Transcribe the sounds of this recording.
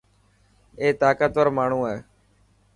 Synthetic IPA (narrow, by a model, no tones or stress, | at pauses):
eːt̪aːkət̪ʋəɾmaːɳ̤ũːeː